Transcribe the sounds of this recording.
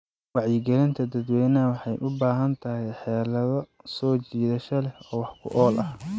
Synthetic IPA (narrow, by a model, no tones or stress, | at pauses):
wɑʕjɪɡɛlɪnt̪ʰɐd̪ɐd̪wɛːjnɐwɑħɑjʔʊbaːɦɐnt̪ʰɐɦɛjħɛːlɐðɔsɔːt͡ʃiːðɐʃɐlɛhɔːwɑħkʰʊ̰ʔɔːlʔɐh